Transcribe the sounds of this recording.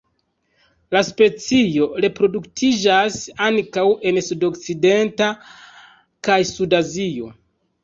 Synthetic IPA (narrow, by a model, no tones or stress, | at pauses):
laspe̞t͡sijo̞ɾe̞pɾo̞duktʰid͡ʒasaŋkawe̞nsudo̞kt͡side̞nta | kajsudazio̞̰